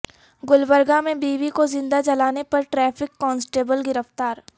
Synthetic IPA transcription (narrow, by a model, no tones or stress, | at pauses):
ɡʊlbəɾɡamẽbiːʋikozɪ̃nd̪ad͡ʒɐlaːnepɐɾʈɾɛːfɪkːɔːnsʈeːbəlɡɪɾəft̪aːɾ